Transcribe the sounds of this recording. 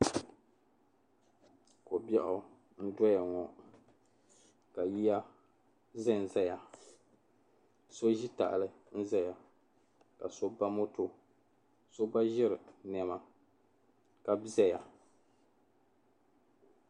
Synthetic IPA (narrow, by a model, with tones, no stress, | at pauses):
ko˨bjɛ˦ʔʊ˨ | n̩˦dɔ˦ja˨ŋɔ˨ | ka˨ji˦ja˦ | zɛ˦n̩˨zɛ˦ja˨ | so˦ʒi˦ta̰˨ʔlɨ˦ | n̩˦zɛ˦ja˨ | ka̰˨so˦ba˦mo˦to˨ | so˦ba˦ʒɪ˦ɾɨ˨n˨ɛ˨ma˨ | ka˦bzɛ˦ja˨